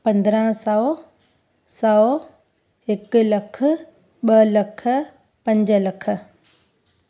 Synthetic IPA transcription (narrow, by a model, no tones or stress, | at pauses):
pɐ̃nd̪ɾə̃sɐ | sɐ | ɪklɐk̆ʰ | ɓɐlɐkʰə̆ | pɐ̃ɲd͡ʑəlɐkʰə̆